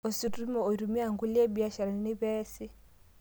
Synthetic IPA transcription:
ɔ˨si˨tu˦mɔ˨ɔ˨i˨ɾu˨mi˦a˨ŋɡu˦li˦ɛ˦bi˨˦a˦ʃa˨ɾa˨ni˨ni˦βɛ˦si˦

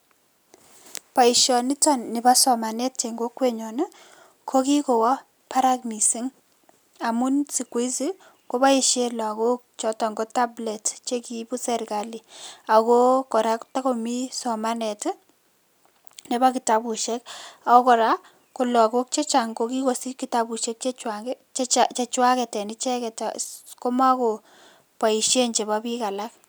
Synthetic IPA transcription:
pa˨i˨ʃjɔ˨ni˦tɔ˨nːɪ˨ba˦sɔ˨ma˨nɛ˦tt͡ʃe˨ŋɡo˦kwe˦ɲɔ˨n˦ | kʰo˦ki˦ko˨wɔ˦ | pa˦ɾa˦kmi˨si˦ŋ | a˨mu˦nsi˨kwe˦si˦ | ko˦pa˦i˨ʃe˦la˨ko˦k̚t͡ʃɔ˨˦tɔ˨ŋɡo˦ta˦blɛ˨tt͡ʃe˦ki˦bu˦sɛ˦ɾka˨li˨a˨ko˦kɔ˨ɾa˦kta˦ko˨mi˦sɔ˨ma˦nɛ˨t | ne˨˦ba˦ki˨ta˨bu˨ʃɛka˨ko˦kɔ˨ɾa˦ | ko˨lɔ˨ko˦k̚t͡ʃe˦t͡ʃa˨ŋɡo˦ki˦ko˨si˦ki˦tabu˨ʃe˦k̚t͡ʃe˦t͡ʃwaŋɡt͡ʃt͡ʃat͡ʃe˨t͡ʃwa˦kɛ˨tɛ˨ni˦t͡ʃɛ˦kɛ˨tako˦ma˦ko˨ | pa˨i˨ʃje˦ɲt͡ʃe˨ba˦pi˦ka˨la˦k

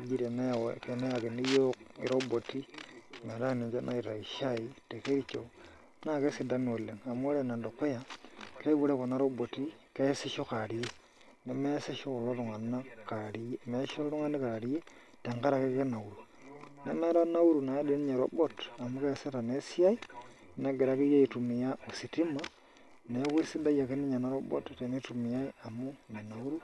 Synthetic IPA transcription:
d͡ʒi˨ɾe˨ne˦˨we˨ke˨ne˦a˨ke˨ni˦jo˦kḭ˨ɾo˦bo˨ti˦me˨ɾa˦˨ne˨d͡ʒe˦na˦i˨ɾa˨i˨ʃa˦i˨te˨ke˦ɾi˦t͡ʃo˨ | na˦˨ke˦si˨da˦n˨o˨lːe˨ŋa˨m˦o˦ɾe˨na˨ndo˨kːo˦ja˨ke˦bu˨ɾe˦ko˨na˦ɾo˦bo˨ti˦ke˦se˦ʃo˦ka˨ɾi˨˦je˦ | ne˨me˦se˦ʃo˦u˨lo˦ɾʊ˨ŋa˨nːa˦ka˨ɾi˦je˦me˨˦ʃo˦ɾu˦ŋa˦ni˦ka˨ɾi˦je˦ | te˨ŋka˦ɾa˨ke˦kke˦na˨u˨ɾu˨ | ne˨˦me˦ɾa˦na˦u˦ɾu˨na˨˦de˦ni˦ɲe˨ɾo̰˨˦bo˦ta˨mu˦ke˦˨se˦ta˨ne˨˦si˦ja˦i˦ | na˨ɡe˨ɾa˦ki˦je˦i˨tu˨mi˨ja˦o˨si˨ti˦ma˨ | ne˨˦ki˦si˦da˦ja˨ke˦ni˦ɲa˨na˦ɾo˦bo̰˦tte˨ni˦tu˨mi˨ja˦i˦a˨mu˦me˨na˨u˦ɾu˦

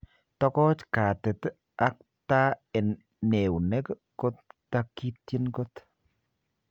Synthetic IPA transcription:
tɔ˦kɔ˦t͡ʃka˨tɪ˨t | a˦k̚ | ta˦ɛ˨n | ne˨u˨nɛ˦k | ko˦t̚ː | aki˦tje˦nko˦t

